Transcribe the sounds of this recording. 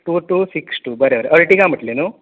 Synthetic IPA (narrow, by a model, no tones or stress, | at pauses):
ʈuːʈuːsiksʈubəɾeʋəɾeʔɐɾʈikamiʈlenu